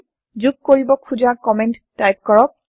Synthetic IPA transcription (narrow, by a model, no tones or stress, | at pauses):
zuɡ̚koɹibɔkʰuzaɹkɔmɛnttːajp̚kɔɹɔk̚